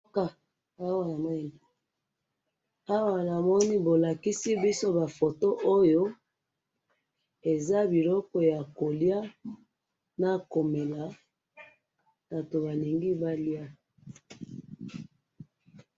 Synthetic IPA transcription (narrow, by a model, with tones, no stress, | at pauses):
ka˨ | a˦wa˦na˨m˦˨ni˨ | a˦wa˦˨na˨mɔ˦ni˦bo˨la˨ki˦si˦bi˦so˦ba˨fo˨to˦ʔo˦jo˦ | e˨za˦bi˨lɔ˦kɔ˨ja˨ko˨lja˦ | na˦ko˨me˨la˨ | ba˨to˨ba˨li˨ŋɡi˦ba˦lja˦